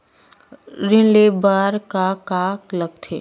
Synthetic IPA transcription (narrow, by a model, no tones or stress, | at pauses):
ɾɪ̃nlebaːɾkakaːkləɡ̚t̪ʰeː